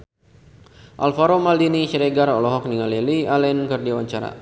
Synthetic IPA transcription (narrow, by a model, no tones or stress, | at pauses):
ʔa̰lfaɾomaldiniʃəɾɛɡaɾɔlɔɦɔk̚niŋalilialɛnkərdiawaɲt͡ʃaɾa̰